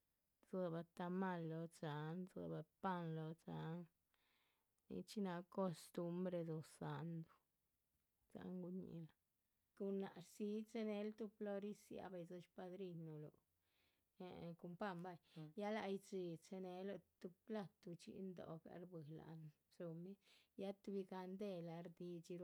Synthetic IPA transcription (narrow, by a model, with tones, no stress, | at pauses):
ze˧ba˧t̪a˧ma˧lːo˧t͡sa˨nzḛ˧ba˧pa˦nlo˧t͡sa˨˦n | nḭ˧t͡ʃi˦na˧ko˧st̪u˦mbɾe˧d̪o˧sa˨nd̪u˨˧ | t͡sa̰˨˦ŋɡu˧˦ɲḭ˧˨la˨ | ku˧na˨ɾsi˧˦t͡se˧ne˧˦lt̪u˧plo˧ɾi˦sja̰˧˦ba˧jzo˧t͡ʃpa˧d̪ɾi˧nu˨lo̰˨ | ku˧mpa˦mba˧jja˦la˧jt͡si˧t͡se˧ne˧lo˧t̪u˧pla˦˧t̪u˧t͡ʃḭ˧˦nd̪o̰˨ɡa̰˧˨ɾbɨ˨la̰˨n | so˧mi˦ja˦t̪u˧bi˧ɡa˧nd̪e˧la˧ɾd̪i˧t͡ʃi˧ɾ